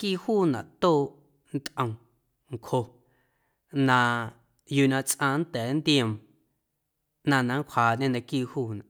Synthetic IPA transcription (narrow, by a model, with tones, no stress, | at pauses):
kiː˦˨huː˦˨nã̰˨ʔt̪oː˦˨ʔ | n̩˦t̪ʔə̃˧w̃ | ŋ̩˨kʰho˧ | nã˧ | juː˧˨nã˧t͡sʔãː˧˨n˦t̪ɛː˨˦nd̪iə̃˧˨m | nã˧nã˨˦ŋ˦kʷʰaː˨ʔɲẽ˦˧nã˧kiː˦˨huː˦˨nã˨ʔ